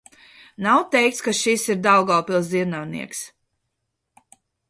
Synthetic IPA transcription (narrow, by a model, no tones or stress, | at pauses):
nawt̪ɛjk̚t̪skaʃisiɾd̪awɡawpilˠsd̪iɛɾnawnḭɛks